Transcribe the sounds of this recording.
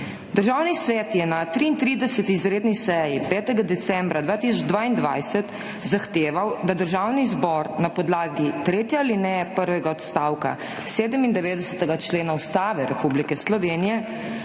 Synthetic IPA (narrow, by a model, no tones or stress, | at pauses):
d̪əɾʒaːwnisʋɛːt̪jɛnat̪ɾiːnt̪ɾid̪ɛsət̪iːzɾeːd̪nisɛjipɛːt̪ɛɡad̪ɛt̪sɛmbɾad̪ʋaːt̪isɔd͡ʒd̪ʋaːind̪ʋa̰jsɛt̪ | zaxt̪eːʋawd̪ad̪əɾʒawnizbɔɾnapɔd̪laːɡit̪ɾeːt̪jɛalinɛpəɾʋɛɡaɔt̪st̪aːwka̰ | seːd̪əmind̪ɛʋeːd̪ɛsə̥t̪ɛɡat͡ʃleːnaust̪aːʋɛɾɛpublikɛslɔʋeːnijɛ